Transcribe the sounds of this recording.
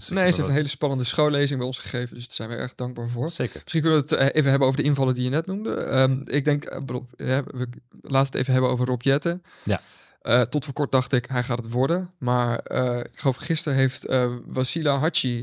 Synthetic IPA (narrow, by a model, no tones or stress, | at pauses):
nejseftənɦeɪjləspɑnəndəsχowlejzɪŋbɛjɔnsχə̥χejvəndɵsz̥ɛjnʋəʔɛ̰ɹdɑŋɡ̚baːɹvʊːɹkəmɪsχink̬ənəʋəətejvənɦɛbənowvəɹdəɪnvɑlədijənɛtnumdə̰mɪɡ̚dɛŋkbədolˠɦɛəlaːtəətḛjvənɦɛbəno̰wvərropjɛtə | ʔətɔtfəːɹkɔɹt̚dɑχtɪkɦɛjχaːtətʋɔɹdənmaːɹəɪɪkχəlowfχɪstəɹɦejftəʋasilaɦat͡ʃi